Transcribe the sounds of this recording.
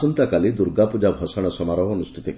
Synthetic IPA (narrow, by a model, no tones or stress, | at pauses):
ənt̪akaliːd̪uɾɡapud͡ʑabʱɔsaɽ̃əsəmaɾəɦənust̪ʰi̥t̪e